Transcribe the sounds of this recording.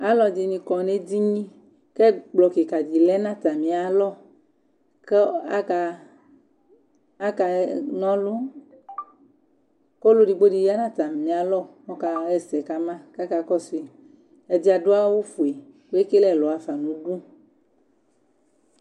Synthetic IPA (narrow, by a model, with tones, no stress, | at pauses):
a˦lɔ˨d͡ʒi˨nĩ˨kɔ˨ne˦di˦ɲĩ˦ | kɛ˦ɡ͡blɔ˨ke˨ka˨di˨lɛ˦nã˦t̪a˨mĩ˨a˨lɔ˦ | kka˨ | a˦ka˨nɔ̃˦lu˦ | ko˦lo˦di˨ɡ͡bo˦di˨ja˦nã˦t̪a˨mnĩ˨˦a˨lɔ˦˨mɔ˦ka˨ɣɛ˦sɛ˨ka˦mã˦ka˦ka˦kɔ˦si˨ | ɛ˨d͡ʑi˦a˨do˦a˦wo˦fu˨e˨wo˦e˦ke˦lɛ˦˨lɔ˨a˨fa˨nũ˨˦ɖu˦